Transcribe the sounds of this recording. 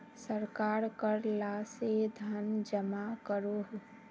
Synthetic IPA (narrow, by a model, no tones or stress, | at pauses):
səɾkaɾkəɾlased̪ʱənd͡ʒəmakəɾoɦ